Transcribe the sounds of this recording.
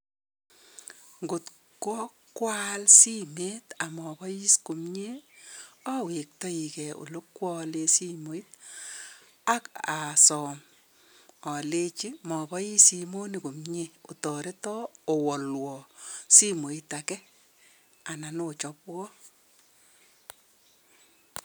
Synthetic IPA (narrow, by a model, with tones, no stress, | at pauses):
ŋɡʊ˨t | kɔ˦kwa˦lsi˦me˦ta˨mɔ˨bɔ˦ji˦sko˨mɲe˦ | ɔ˦we˨k̚tɔ˦i˨kɛ˨o̰˨lo˦kwɔ˦le˦si˦mo˨i˦t̚ | a˦ka˨sɔ˨m | ɔ˨le˦t͡ʃi˦mɔ˨bɔ˦ji˦si˨mo˦ni˨ko˨mɲe˦o˨tɔ˨ɾe˦tɔ˦o˨wɔ˨lwɔ˨si˦mo˨i˦ta˨kɛ˦ | a˨na˨no˦t͡ʃɔ˦pwɔ˦